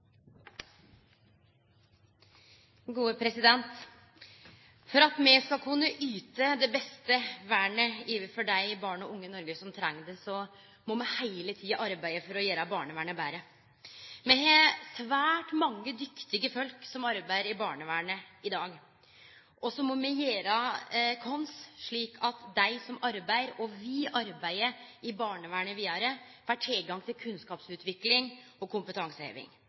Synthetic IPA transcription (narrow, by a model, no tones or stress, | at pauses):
ɡuːəpʰɾɛsɪd̪ɛnt̪ | fɔɾɑt̪mɛskɑkʰʉnːəʔyːt̪əd̪ɛbɛst̪əʋæːɳəiːʋəfɔɖæɪbɑːɳəɔʔʊŋːənɔɾɡəsɔmt̪ʰɾɛŋːd̪ɛsɔ | mɔmɛhæɪlət̪ʰiːɑʔɑɾbæɪəfɔɾɔjeːɾɑbɑːɳəʋæːɳbæːɾə | mɛɦɛsʋæːʈmɑŋːəd̪ʏkt̪ɪɡəfœlksɔmɑɾbæɪəɾɪbɑːɳəʋæːɳəɪd̪ɑːɡ | ʔɔsɔmɔmɛjeːɾɑkʰɔnsʂɭiːkʰɑt̪d̪æɪsɔmɑɾbæɪəɾɔʋiʔɑɾbæɪəɪbɑːɳəʋæːɳəʋiːɑɾə | ʋæːʈʰɪlɡɑŋt̪ʰɪlkʰʉnskɑːpsʉːt̪ʋɪklɪŋɔkʰʊmpət̪ʰɑŋsəhḛːʋɪ̰ŋ